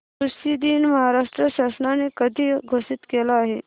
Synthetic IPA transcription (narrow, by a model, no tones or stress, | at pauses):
kɾuʃid̪iːnmɐɦaɾaʂʈɾəɕaːsənanekəd̪ʱiɡʱoːsɪt̪keːlaːɦe